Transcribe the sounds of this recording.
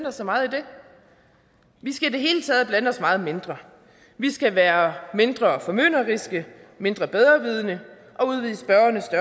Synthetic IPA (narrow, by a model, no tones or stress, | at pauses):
nɒsːɒ̽mɑ̈ːð̩ˠid̥e̝ | ʋisɡ̥æid̥e̝ɦe̝ːlət͡sʰɛ̰ːð̞̩ˠb̥lænɒ̽smɑ̈ːð̩ˠme̝nd̥ʁɐ | ʋisɡ̥æʋæːɐme̝nd̥ʁɐfɒ̽mø̰nɐʁisɡ̥ə | me̝nd̥ʁɐb̥eð̞ˠʁɐʋið̞ˠənə | ʔɒ̽uð̞ˠʋið̰ˠsb̥ɶɐɐnəsd̥ɶ